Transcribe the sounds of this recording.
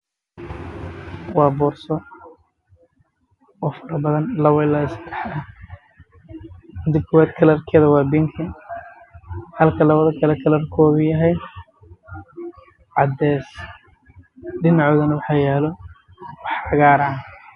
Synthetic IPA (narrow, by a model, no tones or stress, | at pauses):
wɑːbɔːrsɔ | ɔːfɐɾɐbɐðɐnlɐβɐɪlɐsɐ̥d̪ɛħɐ | ɪd̪ɪkʰːʊwaːd̪kʰɐlɐrkʰɛːðɐwɑːbɪŋkʰɐ | hɐlkʰɐlɐβɐðɐkʰɐlɛkʰɐlɐrkʰɔːɣʊjɐɦɛj | ʕɑd̪ɛːs | ɖɪnɑʕɔːɣɐnɐwɑħɑjɛːlɔ | wɑħɑɣaːɾɑʕ